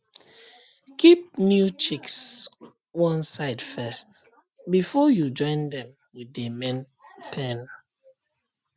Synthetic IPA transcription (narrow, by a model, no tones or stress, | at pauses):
kʰip̚njut͡ʃiks | wʌ̃nsaɪd̥fɛst | bifɔjud͡ʒɔ̃ɪ̃ndɛ̃m | wiðəmɛ̃n | pʰɛ̃n